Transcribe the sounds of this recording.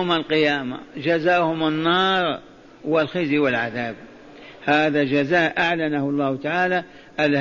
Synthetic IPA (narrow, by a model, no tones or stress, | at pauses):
malqɪjaːma̰d͡ʒazaːʔhʊmanːɑːɾˤ | wɪlxɪziwɪlʕaðaːb̚ | haːðad͡ʒazaːʔʔaʕlanahɑlˤːɑːht̪aʕaːla | ʔalh